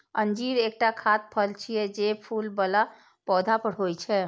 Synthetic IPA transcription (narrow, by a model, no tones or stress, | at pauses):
ənd͡ʒiɾek̚ʈakʰat̪̚pʰəlt͡ʃʰijɛd͡ʒepʰulbəla | pɔd̪ʱapəɽɦojt͡ʃʰɛ